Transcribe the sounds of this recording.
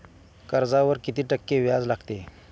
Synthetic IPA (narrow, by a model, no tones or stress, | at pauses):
kəɾd͡zaʋəɾkit̪iːʈəkːeʋjad͡zlaɡt̪e